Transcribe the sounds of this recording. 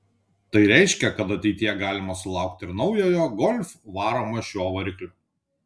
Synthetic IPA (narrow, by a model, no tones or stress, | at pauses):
t̪ɐɪɾʲɛɪʃʲkʲɛkɐt̪ɐt̪ʲɛɪt̪ʲɪjɛɡɑːlʲɪmɐsʊlˠɑˑʊk̚t̪ʲɪɾnɒʊjoːjoːɡɔlʲfʋɑːɾoːmoːʃʲuɔʋɐɾʲɪklʲʊː